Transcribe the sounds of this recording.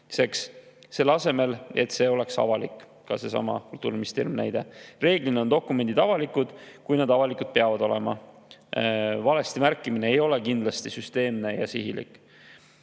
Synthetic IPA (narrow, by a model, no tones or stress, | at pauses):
se̞ks | se̞lːɑse̞me̞le̞t̪se̞o̞le̞ksɑ̰vɑlikːˑ | kɑse̞sɑ̰mɑ̰kult̪ːˑuːɾimist̪eːɾimnæ̰jd̪̥e̞re̞ːɡ̥line̞ond̪o̞kːume̞nd̪̥id̪̥ɑvɑlikːˑud̪̥kujnɑd̪ɑvɑlikud̪̥̚peɑvɑd̪o̞le̞mɑ̰ | vɑlest̪imærkːimine̞ejo̞le̞kind̪lɑst̪isyst̪e̞ːmne̞jɑsiɦilḭkːˑ